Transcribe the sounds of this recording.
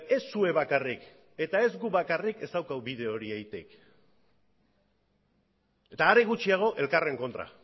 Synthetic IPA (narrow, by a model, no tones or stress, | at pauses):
e̞sːue̞βakarik | e̞t̪ae̞zɡuβakarike̞st̪awkawβiðe̞o̞ɾiajt̪ḛk | et̪aːɾeɣ̞ut͡ʃiaɣ̞o̞ʔe̞lkare̞ŋko̞nt̪ɾa̰